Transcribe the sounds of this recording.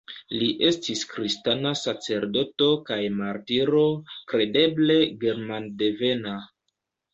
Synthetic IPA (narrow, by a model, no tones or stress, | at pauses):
liʔe̞stiskɾistanasat͡se̞ɾdo̞to̞kajmaɾtiɾo̞kɾe̞de̞ble̞ɡe̞ɾmandeve̞na